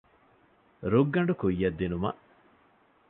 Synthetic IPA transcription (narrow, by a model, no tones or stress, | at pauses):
ɾuɡːɐɳɖukuijːɐd̪ːinumɐ̰ʔ